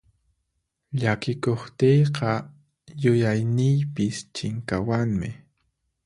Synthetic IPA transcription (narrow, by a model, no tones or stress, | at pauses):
ʎakɪkoχt̪ejqɑ | jʊjajnɪjpɪst͡ʃɪŋkawaŋmɪ